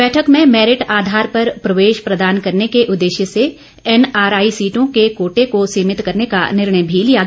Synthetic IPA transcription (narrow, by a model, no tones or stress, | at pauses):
bɛːʈʰəkmẽmɛːɾɪʈaːd̪ʱaːɾpɐɾpɾɐʋeːʃpɾɐd̪aːnkɐɾnekeʔʊd̪ːeːʃjəse | ɛnaːɾaːisiːʈõkekoːʈekosiːmɪt̪kɐɾneka̰nɪɾɳəjbʱilija